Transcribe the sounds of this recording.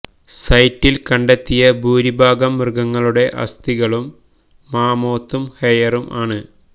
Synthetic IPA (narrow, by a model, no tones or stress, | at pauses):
sɐjtːilkɐɳɖet̪ːijɐbʱuːɾibʱaːɡɐmːrɨɡɐŋːɐɭuɽe̞ʔɐ̰st̪iɣɐɭumː | aːmo̞ːt̪ːumhejɐrumʔaːɳɨ